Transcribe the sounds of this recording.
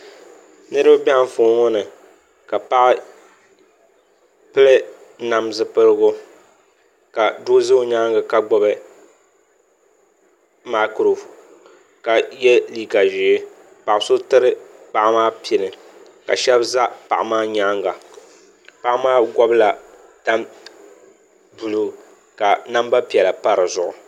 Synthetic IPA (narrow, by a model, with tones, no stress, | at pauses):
nɨ˦ɾɨ˦bba˦ɱ˨fo˨˦ŋɔ˦nɨ˨ | ka˨pa˦ʔɪ˦ | pɨ˦lɨ˦ | na˨m˦zɨ˨pɨ˦lɨ˦ɡʊ˦ | ka˨dʊ˦zɨ˦ɲaː˦ŋɡa˨ka˨ɡ͡bɔ˦bɨ˦ | ma˨˦kɾo˨ | ka˨jɛ˦liː˦ɡa˨ʒɪ˨e˦ | pa˨ʔso˦tɨ˦ɾɨ˦pa˨ʔa˦maː˦pi˨˦ɪ˨nɨ˨ | ka̰˨ʃɛ˦bza˦pa˨ʔa˨maː˦ɲa˦ŋɡa˨ | pa˦˨ʔmaː˦ɡɔ˦bla˨ | ta˦m | bu˨lu˨ | ka˨na˦mba˦pi˨ɛ˨la˨pa˦ɾɨ˨zʊ˨ʔʊ̰˨